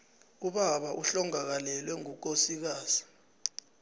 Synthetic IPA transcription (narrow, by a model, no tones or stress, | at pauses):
uɓaɓaʔuɬɔŋak̬alɛlwɛŋuk̬osik̬aːzi